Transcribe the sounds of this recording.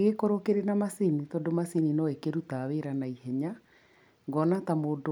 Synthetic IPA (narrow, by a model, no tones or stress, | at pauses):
ɣekoɾokeɾenamasinitɔːdomasininɔekeɾutaweɾanaihɛɲa | ŋɡɔnatamoːd